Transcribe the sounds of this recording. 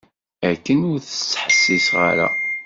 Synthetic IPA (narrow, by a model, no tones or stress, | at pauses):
ækːənʊɾθə̥t͡sːħəsːisʁa̰ɾa̰